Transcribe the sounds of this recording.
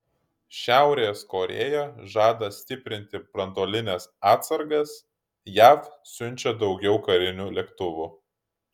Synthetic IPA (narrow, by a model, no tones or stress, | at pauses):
ʃʲæˑʊɾʲeːskoːɾʲḛːjoːʒɑːd̪ɐsʲt̪ʲɪpʲɾʲɪnʲt̪ʲɪbɾɐnd̪oːlʲɪnʲɛsɑːt̪sɐɾɡɐs | jæːfsʲʊnʲˑt͡ʃʲɛd̪ɒʊɡʲɛʊkɐɾʲɪnʲuːlʲɛkt̪ʊʋʲuː